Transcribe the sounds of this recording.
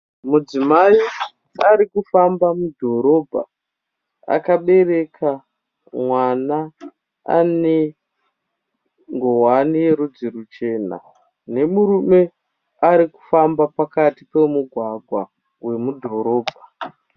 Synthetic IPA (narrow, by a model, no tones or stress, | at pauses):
mud͡zimai | aɾikufambamudʱo̞ɾo̞bʱa̰ | a̰kaɓe̞re̞kʰa | mwana | a̰ne | ŋɡowanije̞ɾud͡ziɾut͡ʃe̞ːna̰ | ne̞muɾume̞ | aɾiku̥fambapakatipe̞muɡʱwaɡʱwa | we̞mudʱo̞ɾo̞ːbʱa